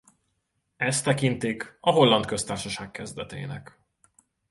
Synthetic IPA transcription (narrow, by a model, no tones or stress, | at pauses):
ɛst̪ːɛkint̪ikɒɦo̞lːɒnt̪kø̞st̪aːrʃɒʃaːkkɛzd̪ɛt̪ḛːnɛ̰k